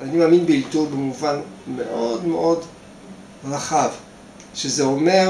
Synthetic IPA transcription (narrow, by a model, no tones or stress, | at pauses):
animaːminbeiltubemuvanmeʔodmeʔo̞d | ʁaχav | ʃezeome